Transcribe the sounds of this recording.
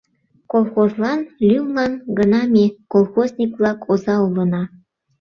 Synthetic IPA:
kolˠxozlɑnlʲymlɑnɡənɑmʲekolˠxozʲnʲikβlɑkʰozɑulənɑ

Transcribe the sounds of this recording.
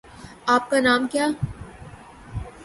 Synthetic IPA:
aːp̚kanaːmkjaː

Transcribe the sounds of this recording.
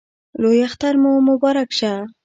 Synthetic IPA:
lojaxt̪aɾmomʊbɑɾakʃa

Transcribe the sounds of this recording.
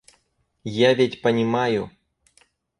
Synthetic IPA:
javʲetʲpɐnʲɪmaju

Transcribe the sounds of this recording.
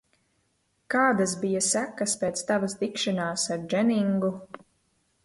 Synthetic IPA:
kaːd̪as̬bijasækːɐspeːt̪st̪avast̪ikʃanaːsaɾd͡ʒɛniŋɡu

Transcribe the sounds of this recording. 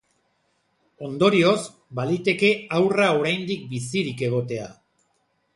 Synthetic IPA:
o̞nd̪o̞ɾio̞z | balit̪e̞ke̞awrao̞ɾajnd̪ik̚bisiɾike̞ɣ̞o̞t̪e̞a̰

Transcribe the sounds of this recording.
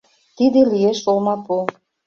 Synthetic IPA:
t̪id̪ĕlijeʃolmɑpo

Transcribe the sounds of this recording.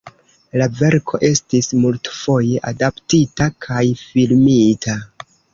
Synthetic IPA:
lave̞ɾkʰo̞ʔe̞stismultfo̞je̞ʔadaptitakʰajfilmitʰa

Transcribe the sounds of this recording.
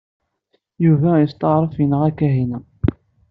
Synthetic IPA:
juvæjəst̪ˤɑʁɾˤəfjənəʁækːæɦinæ

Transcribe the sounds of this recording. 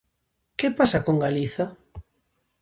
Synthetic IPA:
kepasakoŋɡaliθa

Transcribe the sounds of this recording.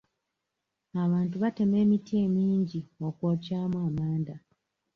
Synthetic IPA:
aβaːntuβate̞me̞ːmitie̞ːmiːɲɟiokwoːcaːmwaːmaːnda

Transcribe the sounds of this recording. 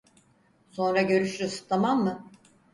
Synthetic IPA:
so̞nɾaɟø̞ɾyʃlʲysɯ̥t̪ʰamamːɯ

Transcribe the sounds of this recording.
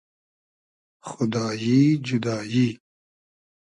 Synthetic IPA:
xʊd̪ɑːjid͡ʒʊd̪ɑːji

